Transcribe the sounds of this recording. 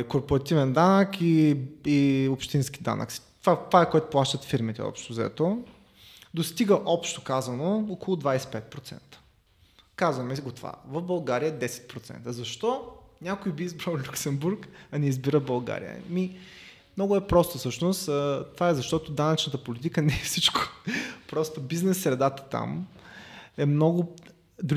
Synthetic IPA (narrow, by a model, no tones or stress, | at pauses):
koɾpoɾɐt̪ivɛnd̪anəkiiopʃt̪inskʲi̥d̪a̰nə̰ksi̥t̪vat̪vaɛkɔɛt̪ʊ̥plˠaʃt̪ət̪fiɾmit̪ɛ̰ɔ̰pʃt̪ozɛ̰t̪o | d̪ost̪iɡəʔɔpʃt̪o̥kazɐnookolˠʊd̪vajsɛ̥pɛt̪̚pɾot̪sɛ̰nt̪ə̥ | kazvɐmɛɡot̪ova̰vəfbɐlˠɡaɾijəɛd̪ɛsɛ̥t̪̚pɾot̪sɛ̰nt̪əzɐʃt̪ɔnʲakojbiizbɾalˠlʲuksɛmbuɾkɐnɛizbiɾəbɐlˠɡa̰ɾḭjə̰mi | mnɔɡʊɛpɾɔst̪ofsɤʃnʊst̪ːt̪ovaɛzɐʃt̪ɔt̪od̪anɐt͡ʃnət̪əpolit̪ikənɛfsit͡ʃko̥pɾɔst̪obiznɛsːɾɛd̪at̪ə̥t̪a̰m | ɛmnɔɡʊ | d̪ɾ